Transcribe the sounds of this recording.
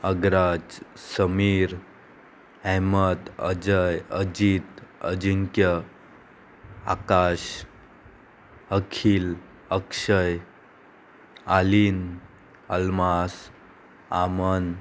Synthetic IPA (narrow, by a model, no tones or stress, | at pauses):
əɡɾad͡ʑsəmiɾ | ɛmət̪ə̰d͡ʑəjəd͡ʑit̪ə̰d͡ʑiŋkjə | a̰kaɕ | əkʰil | əkʂəj | alin | əlmas | a̰mən